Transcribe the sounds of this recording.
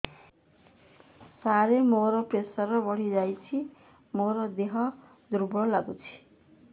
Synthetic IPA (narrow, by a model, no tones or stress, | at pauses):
saɾemoɾʌpresʌrʌbʌɽ̤id͡zajt͡sʰi | moɾʌd̪eɦʌ | d̪uɾbɽʌlaɡut͡sʰi̥